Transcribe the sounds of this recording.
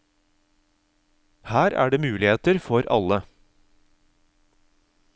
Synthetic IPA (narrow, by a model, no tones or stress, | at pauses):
hæːɾæ̰ːɖeːmʉːlɪheːt̪əɾfɔɾʔɑ̰lə